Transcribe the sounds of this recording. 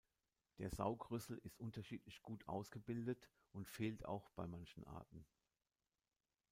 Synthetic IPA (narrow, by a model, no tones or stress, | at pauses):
d̥eːɐza̰ʊɡʁʏsl̩ɪstʔʊntɐʃiːtlɪçɡ̥uːtʰʔa̰ʊsɡ̥əbɪldət | ʔʊntfeːlta̰ʊxb̥aɪmançn̩ʔa̰ɐtn̩